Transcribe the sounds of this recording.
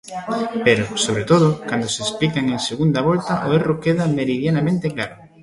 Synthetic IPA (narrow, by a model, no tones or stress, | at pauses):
peɾʊsoβɾet̪oð̞ʊkand̪ʊseːsplikaŋeŋseɣund̪ɐβɔlt̪ɐʔoerokeðɐmeɾiðjanamẽnt̪eklaɾʊ